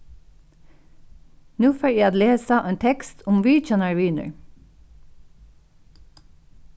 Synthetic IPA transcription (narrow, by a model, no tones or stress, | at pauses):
nuːføːæɪɑːt̪leːsəʔeːnt̪ʰɛkst̪ʰʊmʋiːt͡ʃɑnəɹʋɪnə̰ɹ